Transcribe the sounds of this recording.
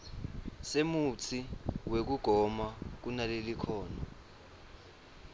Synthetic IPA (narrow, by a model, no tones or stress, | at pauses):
semut͡sʰiwek̬uɡ̥ʱɔmak̬unalelikʰɔːna